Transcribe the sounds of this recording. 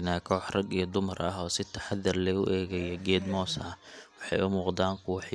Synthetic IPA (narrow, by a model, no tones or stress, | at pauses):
naːkʰɔːħrɐɡijɞd̪ʊmɐrɐ̰ɦɔːsɪt̪ʰɐħɑðɐrlɛʊʔɛːɣɛjɔɡɛːd̪mɔːsɐwɑħɑjʔʊmuːqd̪aːŋkʰʊwɑħ